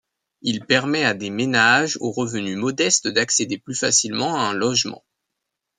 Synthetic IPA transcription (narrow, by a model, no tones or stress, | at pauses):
ilpɛʁmɛad̪emenaʒoʁəvənymɔd̪ɛst̪d̪aksed̪eplyfasilmɑ̃aɛ̃lɔʒmɑ̰̃